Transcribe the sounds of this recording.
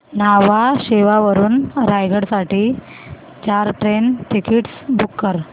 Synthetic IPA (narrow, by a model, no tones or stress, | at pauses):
naʋaɕeʋaʋəɾuːnɾajɡəɽsaʈiː | t͡ɕaɾʈɾenʈ̪ikʰiʈsbukːəɾ